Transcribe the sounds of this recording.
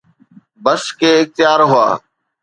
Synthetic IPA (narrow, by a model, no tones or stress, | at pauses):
bəskeːɪx̚t̪ɪjaːɾɦʊa̰ː